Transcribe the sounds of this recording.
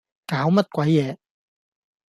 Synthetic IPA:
kaː˨˥wmɐ˥t̚kʷwɐ˨˥jːɛː˨˥

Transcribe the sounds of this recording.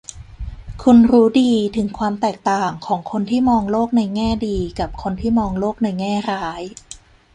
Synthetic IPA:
kʰu˧nɾuː˦˥diː˧t̪ʰɯ˩˦ŋkʰwaː˧mt̪ɛː˨˩k̚t̪aː˨˩ŋkʰɔː˩˦ŋkʰo˧nt̪ʰiː˥˩mɔː˧ŋloː˥˩k̚na˧jŋɛː˥˩diː˧ka˨˩p̚kʰo˧nt̪ʰiː˥˩mɔː˧ŋloː˥˩k̚na˧jŋɛː˥˩ɾaː˦˥j

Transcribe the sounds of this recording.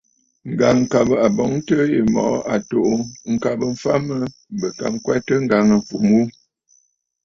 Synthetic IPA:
ŋ̩˨ɡa˨ŋ̩˨ka˨bə˨a˨bɔ˨˦ŋ˦tə˦je˨mɔ̰˨ʔʔa˨to˨ʔo˦ŋ̩˨ka˨bə˨˦fa˦mə˦ | bə˨ka̰˨m˦kwɛ˦tə˦ŋ̩˦ɡa˨ŋə˨fu˨mu˦

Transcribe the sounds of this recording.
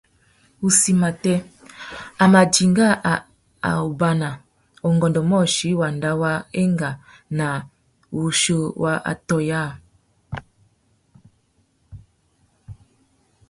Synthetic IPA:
u˨si˨ma˨tɛ˦ | a˨ma˨d͡ʒi˨ŋɡa˦˨ | a̰˨u˨ba˨na˨ | o˨ŋɡɔ˨ndɔ˨mɔ˦˨ʃi˨˦wa˨nda˦wa˦e˦ŋɡa˨ | na˨ | wu˨ʃo˦wʔa˦ʔa̰˨tɔ˦ja˦˨

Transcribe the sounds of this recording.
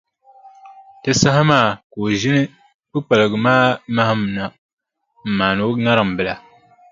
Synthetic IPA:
tɨ˦sa˦ɦa˦maː˦˨ko˨ʒɪ˦nɨ˦ | bɨ˦k͡pa˨lɨ˨ɡɨ˨maː˦ma˦ha˦m˨na˨ | m̩˨maː˨no˨˦ŋa˦ɾɨ˨m̩˨bɨ˦la˨

